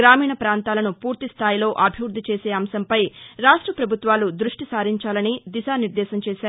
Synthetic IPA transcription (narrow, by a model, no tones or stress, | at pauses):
ɾaːmiːɳɐpɾaːnt̪aːlɐnupuːɾt̪ist̪ʰaːjilo̞ːʔɐbʱiʋɾud̪ʱːit͡ʃe̞ːse̞ːɐmsɐmpɐjɾaːʂʈɾɐpɾɐbʱut̪ʋaːlud̪ɾuʂʈisaːɾiɲt͡ʃaːlɐnid̪isaːniɾd̪ɛːsɐmt͡ʃeːʃaːɾ